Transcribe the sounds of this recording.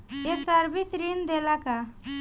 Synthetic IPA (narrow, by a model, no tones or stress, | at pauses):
esaɾbisɾind̪elaka